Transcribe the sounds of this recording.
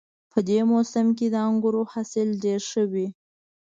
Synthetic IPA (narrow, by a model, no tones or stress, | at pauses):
pʰəd̪emosɪmk̬ed̪əaŋɡʊɾohasɪlɖeɾʃəwi